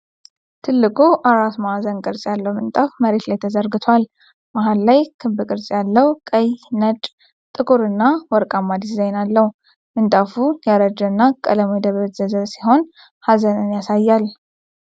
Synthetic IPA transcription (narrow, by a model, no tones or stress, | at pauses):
t̪ʰɨlːɨkʼuʔaɾat̪mahazənkʼɨɾt͡sʼjalːəwmɨnt̪ʼafməɾe̞t̪lajt̪ʰəzəɾɡɨt̪ʰwal | maɦallajkʰɨmbɨkʼɨɾt͡sʼjalːəwkʼəjnət͡ʃʼ | t̪ʼɨkʼuɾɨnːawɔɾkʼamːad̪iszajnalːəhu | mɨnt̪ʼafujaɾəd͡ʒɨnːakʼələmojd̪əβəβt̪zəzəβsiɦo̞n | hazənɨnjasajːal